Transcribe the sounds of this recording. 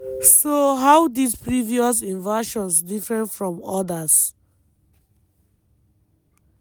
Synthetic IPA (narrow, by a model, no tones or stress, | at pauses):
soɦawdidpɹiviɔs̬ĩnvaʃɔ̃nsdifɹɛ̃nfɹɔ̃mɔdas